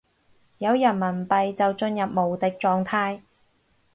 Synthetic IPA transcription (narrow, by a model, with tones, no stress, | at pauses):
jɐ˨˧wjɐ˨˩nmɐ˨˩npɐ˨jt͡sɐ˨wt͡ʃɵ˧njɐ˨p̚mo˨˩wt̪ɪ˨k̚t͡ʃɔː˨ŋt̪ʰaː˧j